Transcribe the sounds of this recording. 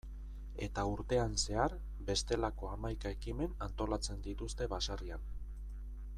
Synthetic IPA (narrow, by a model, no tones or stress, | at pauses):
e̞̰t̪auɾt̪e̞anse̞aɾ | be̞st̪e̞lako̞amajkae̞kime̞nant̪o̞lat͡se̞nd̪it̪ust̪e̞βasarian